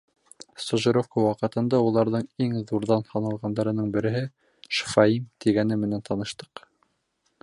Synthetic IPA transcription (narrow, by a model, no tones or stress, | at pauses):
st̪ŏʒɤ̆ɾofkowɑqɤ̆t̪ɤ̆nd̪ɑulˠɑɾðɤɴiŋðuɾðɑnhɑnɑlˠʁɑnd̪ɑɾɤ̆nɤɴbɘ̆ɾɘ̆ɦɘ | ʃfɑimt̪iɡænɘmɘ̆nænt̪ʰɑnɤ̆ʃt̪ɤ̥q